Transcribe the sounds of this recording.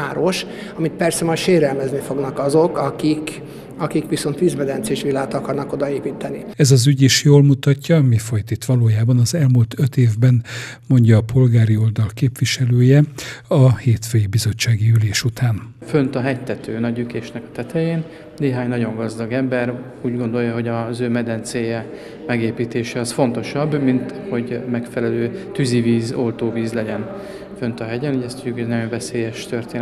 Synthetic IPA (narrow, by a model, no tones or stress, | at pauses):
aːɾoʃ | ɒmit̪̚pɛrsɛmɒjʃeːɾɛlmɛznifo̞ɡnɒkɒzo̞kɒkik | ɒkikʋiso̞nt̪ʋiːzmɛd̪ɛnseʃʋilaːt̪ɒkɒrnɒko̞d̪ɒeːpit̪ɛni | ɛzɒzyɟiʃjoːlmut̪ɒcːɒmifo̞jt̪it̪ʋɒloːjaːbɒnɒzɛlmult̪ʰøt̪eːvbɛn | mo̞ɲɟɒːpo̞lɡaːɾio̞ld̪ɒlkeːpʋiʃɛløːjɛɒheːt̪føːjibizo̞t͡ʃːaːɡiyleːʃut̪ʰaːn | fønt̪ɒɦɛct̪ɛt̪øːnɒɟykeːʃnɛkɒ̥t̪ɛt̪ʰɛjeːn | neːɦaːɲnɒɟo̞ŋɡɒzd̪ɒɡɛmbɛr | uːɟɡo̞nd̪o̞jːɒɦo̞ɟɒzøːmɛd̪ɛnt̪seːjɛ | mɛɡeːpiːt̪eːʃɛɒsfo̞nt̪o̞ʃɒbmint̪ho̞ɟmɛkfɛlɛløːt̪yziviːzolt̪oːviːzlɛɟɛn | fø̞nt̪ɒɦɛɟɛnuɟɛst̪uɟukʰoɛnɒɟo̞ɱvɛseːjɛʃt̪ørt̪eːn